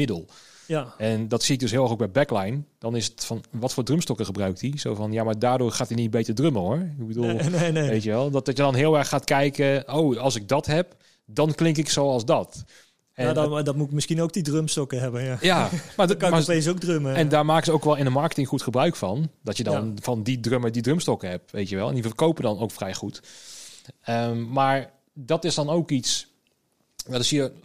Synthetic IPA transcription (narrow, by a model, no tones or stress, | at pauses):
mɪdəlˠ | ɛndɑtsiɪk̚dɵs̬ɦɪːlˠɛχxoɡbɛjbɛklajnd̥ɑnɪsətfɑnʋɑtfoːɹdrømstɔkəχəbrœɥk̚tizowvɑnjamaːɹdaːɹdʊːɹχaːtinit̚bejtəɹdrøməɦoːɹɪɡ̚bədulˠneneʋejtəʋɛlˠddɑjədɑnɦɪːlˠɛɹχːaːtkɛjkəowɑlˠsɪɡ̚dɑtɦɛp̚ | dɑnklɪŋkɪksowɑlˠszdɑt | ɛddɔtmutmɪskinowk̚didrømstɔkəɦɛbənjajamamapesok̚drøməɛndaːɹmaːkəsəowkʋɛlˠɪnəmɑɹkə̥tɪŋχutχəbrœɥkfɑndɔtjədɔnfɑndidrømədidrømstɔkəɦɛp̚ʋejtjəʋɛlˠɛ̰ndifəkowpədɔnowkfrɛjχut | əmmaːɹ | dɑtɪsdɑnowkits | dɔtɪshi